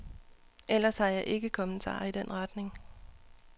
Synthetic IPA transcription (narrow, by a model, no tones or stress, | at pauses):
ʔel̰ɐshɑ̈jɑ̈ɪʔe̝ɡ̥əkʰɒ̽mən̩t͡sʰɑ̰̈ːid̥en̰ʁɑd̥ne̝ŋ